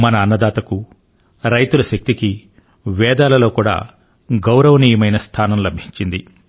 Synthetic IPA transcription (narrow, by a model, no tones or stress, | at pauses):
mɐnɐːnːɐd̪aːt̪ɐku | ɾɐjt̪ulɐʃɐk̚t̪iki | ʋɛːd̪aːlɐlo̞ːkuːɽa̰ː | ɡɐwɾɐʋɐniːjɐmɐjnɐst̪ʰaːnɐmlɐbʱiɲt͡ʃind̪i